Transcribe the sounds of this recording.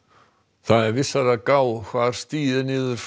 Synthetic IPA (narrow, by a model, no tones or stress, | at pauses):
θaðɛɾvɪsːaɾakaːwkʰvaɾ̥st̪iːðɪnɪːðʏɾ̥f